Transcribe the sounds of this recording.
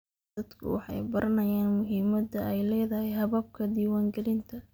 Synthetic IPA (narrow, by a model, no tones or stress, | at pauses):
ɐd̪kʰʊ̰wɑ̰ħɑ̰jbɐɾʔɐnɐjaːnmʊɦiːmɐd̪ɐʔɛjlɛːðɐɦɛjɦɐβɐb̚kʰɐd̪iːwaːŋɡɐlɪnt̪ʰɐ